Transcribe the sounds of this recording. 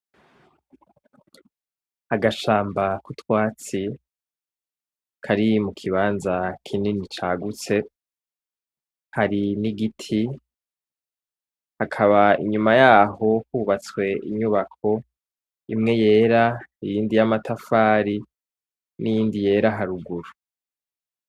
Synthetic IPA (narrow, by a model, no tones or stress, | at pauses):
haɡaʃaːmbakutwaːt͡si | kʰaɾimukʰiβaːnzakʰininit͡ʃaɡut͡se̞ | haɾiniɡitʰi | hakʰaβaḭɲumajaːɦo̞huːβat͡swe̞ḭɲuβakʰo̞ | imŋe̞je̞ːɾaijiːndijamatʰafaːɾi | nijiːndije̞ːɾaɦaɾuɡuɾu